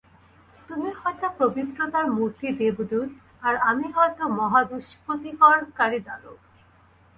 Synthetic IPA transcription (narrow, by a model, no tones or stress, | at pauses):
t̪umihɔjt̪apɾobit̪ːɾot̪aɾmuɾt̪id̪ebd̪ud̪ | aɾamiɦɔet̪omɔɦad̪uʃpot̪ikɔɾkaɾid̪alo̰